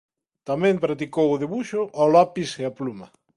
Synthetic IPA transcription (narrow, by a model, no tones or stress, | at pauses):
t̪amẽmpɾat̪ikowoðeβuʃoʔalapiseaplumɐ